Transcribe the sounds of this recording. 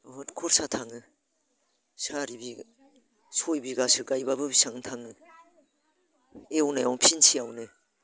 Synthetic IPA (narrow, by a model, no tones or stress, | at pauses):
hɔtkʰɔɾsatʰaŋɯ | saɾibi | sojbiɡasɯɡajbabɯbisaŋtʰaŋɯ | ewnajawnpʰinsijawnɯ